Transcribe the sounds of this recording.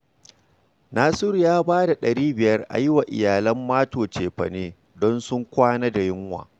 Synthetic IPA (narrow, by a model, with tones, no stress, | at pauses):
naː˦sʊ˦ɾjaː˦baː˦da˨ɗɐ˨ɾiː˦bɪ˨jɐ˦rʔa̰˨jɪ˦wa˨ʔɪ̰˨jaː˨lɐ˦mːaː˦toː˨t͡ʃeː˨ɸɐ̰˨neː˦ | dɔ˦nsʊ˦ŋkʷaː˦naː˦da˨jɪ˦ŋwa̰ː˨